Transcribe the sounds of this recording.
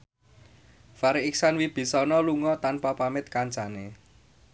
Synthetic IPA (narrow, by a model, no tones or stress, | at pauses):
faɾiɪksanwib̥i̤sɔnɔluŋɔt̪anpapamɪt̪̚kant͡ʃane